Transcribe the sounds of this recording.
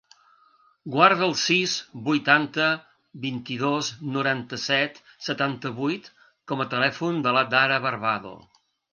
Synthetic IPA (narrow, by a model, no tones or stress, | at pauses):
ɡwaɾð̞əːlˠsizbujt̪ant̪ə | βint̪iðoznuɾant̪əsɛt̪sət̪ant̪əβujt̪ | kɔmət̪əlɛfund̪əlad̪aɾəβəɾβaðo̰